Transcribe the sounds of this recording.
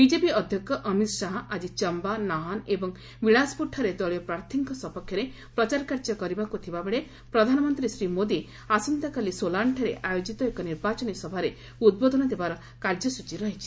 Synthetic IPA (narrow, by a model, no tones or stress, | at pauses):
bid͡ʒepiɔd̪ʱjɔkːɔʔɔmit̪saɦɔʔad͡ʒit͡ʃɔmbanaɦɔnebɔŋ | biɭaspuʈʰːɔɾed̪ɔɭijɔpɾaɾt̪ʰiŋkɔsɔpɔkʰjɔɾe | pɾɔt͡ʃaɾɔkaɾd͡ʒɔkɔɾibakut̪ʰibabeɭe | pɾɔd̪ʱanɔmɔnt̪ɾisɾimod̪i | asɔnt̪akalisolaɳʈʰɔɾeʔajod͡ʒit̪ɔekɔniɾbat͡ʃɔnisɔbʱaɾe | ud̪̚bod̪ʱɔnɔd̪ebaɾɔ | kaɾd͡ʒɔsut͡ʃiɾɔɦit͡ʃʰi̥